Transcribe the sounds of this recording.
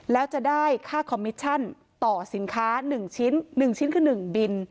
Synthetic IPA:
lɛː˦˥wt͡ɕa˨˩daː˥˩jkʰaː˥˩kʰɔ˧mːi˦˥t̪̚t͡ɕʰa˥˩n | t̪ɔː˨˩si˩˦nkʰaː˦˥nɯ˨˩ŋt͡ɕʰi˦˥nːɯ˨˩ŋt͡ɕʰi˦˥nkʰɯː˥˩nɯ˨˩ŋbi˧n

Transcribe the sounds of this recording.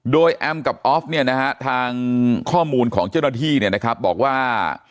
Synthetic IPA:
doː˧jʔɛ˧mka˨˩p̚ʔɔː˦˥f̚ni˥˩ɐna˦˥kʰa˦˥t̪ʰaː˧ŋkʰɔː˥˩muː˧nkʰɔː˩˦ŋt͡ɕaː˥˩wna˥t̪ʰiː˥˩ni˥˩ɐna˦˥kʰɾa˦˥p̚bɔ̰ː˨˩k̚waː˥˩

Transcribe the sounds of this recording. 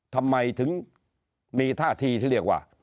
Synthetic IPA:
t̪ʰa˧mːa˧jt̪ʰɯ˨˦ŋ | miː˧t̪ʰaː˥˩t̪ʰiː˧iː˧˥˩li˧˩ək̚wa̰ː˨˩

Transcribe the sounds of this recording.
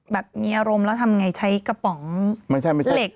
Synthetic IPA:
bɛː˨˩p̚miː˧ʔaː˧ɾo˧mlɛː˦˥wt̪ʰa˧mŋa˧jt͡ɕʰa˦˥jka˧pɔ˨˩˦ŋma˥˩jt͡ɕʰa˥˩jma˥˩le˨˩k̚

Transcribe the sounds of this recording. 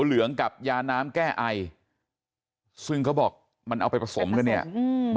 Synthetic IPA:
lɯ˩˦əŋka˨˩p̚jaː˧naː˦˥mkɛː˥˩ʔa˧j | sɯ˥˩ŋkʰa˦˥wbɔː˨˩k̚ | ma˧nʔa˧wpa˧jpɾa˧so˩˦mka˧nːi˥˩ɐ˧

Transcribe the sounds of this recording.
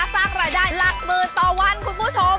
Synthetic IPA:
a˧˥saː˧˩k̚ɾaː˧˩daː˧˥˩la˨˩k̚mɤː˧˩t̪ɔː˧wa˧˥˨nkʰu˧npʰuː˧˥˩t͡ɕʰo˧m

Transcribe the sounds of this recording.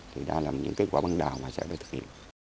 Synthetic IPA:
t̪ʰi˨˩ɗa̰ː˧laː˨˩mɲɨ̰˧˥ŋkaː˨˦kwaː˧˦ɓva˧nɗaː˨˩wmaː˨˩sɛ̰˧˥ɗaː˧t̪ʰɨ̥˨˩k̚hḭ˧˨ə˨n

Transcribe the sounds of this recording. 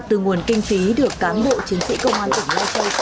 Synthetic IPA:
t̪ɨ˨˩ŋu˨˩ənkï˧ŋ̟fi˨˦ɗɨ˨˩əkːaː˨˦nɓo̰˧˨t͡ɕi˨˦ənsḭ˧˥kə˧wŋ͡maː˧nt̪ə˧˩ŋ̟la˧sə˧j

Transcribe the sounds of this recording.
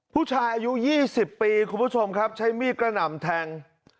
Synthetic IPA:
pʰuː˥˩t͡ɕʰaː˧jʔaː˧ju˦˥jiː˥˩si˨˩pːiː˧kʰu˧npʰu˦˥t͡ɕʰo˧mkʰa˦˥p̚t͡ɕʰa˦˥jmiː˥˩t̪̚kɾa˧na˨˩mt̪ʰɛ˧ŋ

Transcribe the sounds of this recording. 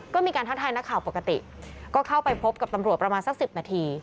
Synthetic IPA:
kɔː˥˩miː˧kaː˧nt̪ʰa˦˥t̪ʰaː˧jna˦˥kʰːaː˨˩wpo˨˩kːa˧t̪i˨˩ | kɔː˥˩kʰa˥˩wpa˧jpʰo˦˥p̚ka˨˩t̪a˧mɾu˨˩ət̪̚pɾa˧maː˧nsa˨˥˩k̚si˨˩p̚naː˧t̪ʰiː˧

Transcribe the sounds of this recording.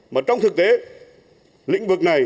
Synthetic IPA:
maː˨˩t͡ɕɔ˧wŋ͡mt̪ʰɨ˨˩k̚t̪e˨˦ | lḭ˧˥ŋ̟vɨ˨˩k̚na˨˩j

